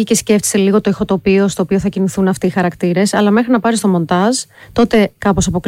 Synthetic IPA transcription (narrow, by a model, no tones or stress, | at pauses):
ice̞sce̞ft̪i̥seliɣo̞t̪o̞ixo̞t̪o̞pio̞st̪oːpioθɐciniθunɐft̪iːxɐɾɐkt̪iɾe̞sɐlɐme̞xɾinɐpɐɾist̪o̞mo̞nt̪ɐzt̪o̞t̪e̞kɐpo̞sɐpo̞k